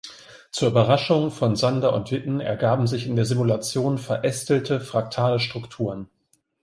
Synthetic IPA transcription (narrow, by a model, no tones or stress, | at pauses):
t͡suːɐʔybɐʁaʃʊŋfɔnzandaʔʊ̰ntv̥ɪtn̩ɛ̰ɐɡaːbm̩zɪçɪndeːɐzɪmulat͡sjoːnfɛɐʔɛstl̩tʰəfʁ̥ak̚tʰaːləʃtʁ̥ʊktʰuːʁən